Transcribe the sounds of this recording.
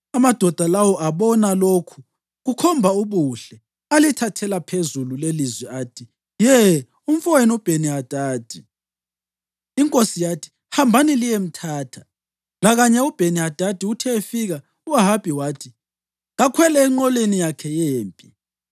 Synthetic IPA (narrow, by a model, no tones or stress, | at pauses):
amad̥ʱɔd̥ʱalawɔʔaβɔnalokʰu̥ | ɣukʰɔmbʱauβuɬɛ | alitʰatʰɛlapʰezululelizwɛaːtʰi | jɛ | um̩fɔwenub̥ʱeniɦad̥ʱaːd̥ʱi | iŋkʼosijatʰi̥ | hambʱanilijem̩tʰaːtʰḁ | laɣaɲɛub̥ʱeniɦad̥ʱad̥ʱiutʰɛefiɣa | uaɦab̥ʱiwaːtʰi | ɣakʰwɛlɛːŋ͡ǃɔlenijakʰɛjeːmpʼi